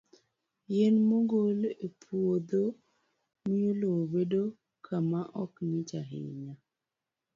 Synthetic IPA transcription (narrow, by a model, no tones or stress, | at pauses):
jenmoɡolepʰwod̪o | miolobedo | kʰamaʔɔknɪt͡ʃaɦɪ̰ɲa